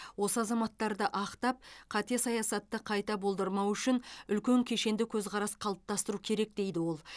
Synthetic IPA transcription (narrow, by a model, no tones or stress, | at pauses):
wo̞səɑzɑmɑt̪ːɑɾd̪əʔɑqt̪ɑp̚qʰɑt̪esɑjɑsɑt̪ːəqʰɑjt̪ɑbo̞lˠd̪əɾmɑwʏʃɪnʏlkʲe̞ŋkʲʰe̞ʃe̞nd̪ɪkʲʰɵzʁqɑɾɑsqʰɑlˠəp̚t̪ɑst̪əɾukʲʰe̞ɾe̞k̚d̪e̞jd̪ɪwo̞lˠ